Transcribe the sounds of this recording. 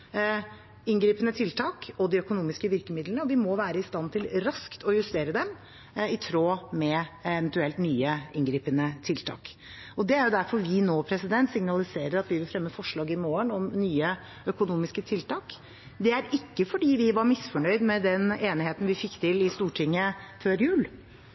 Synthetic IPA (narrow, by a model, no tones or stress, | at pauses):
ɪnɡɾiːpənət̪ʰɪlt̪ʰɑːkɔd̪ɪœkʊnuːmɪskəʋɪɾkəmɪd̪lənəɔʋɪmɔʋæːɾəɪst̪ɑnt̪ʰɪlɾɑskt̪ʰɔjʉst̪eːɾəd̪ɛm | ɪt̪ʰɾoːmɛɛʋɛnt̪ʉɛlt̪nyːəɪnɡɾiːpənət̪ʰɪlt̪ʰɑ̰ːk | ɔd̪ɛæɾjʊd̪æɾfɔɾʋɪnoːpʰɾɛsɪd̪ɛnt̪sɪŋnɑlɪseːɾəɾɑt̪ʋɪʋɪlfɾɛmːəfɔʂɭɑːɡɪmoːəɳɔmnyːə | œkʊnuːmɪskət̪ʰɪlt̪ɑːk | d̪ɛæɾɪkːəfɔɖiːʋɪʋɑɾmɪsfɔɳœʏd̪mɛd̪ɛneːnɪheːt̪n̩ʋɪfɪkːt̪ʰɪlɪst̪uːʈʰɪŋːəføːɾjʉːl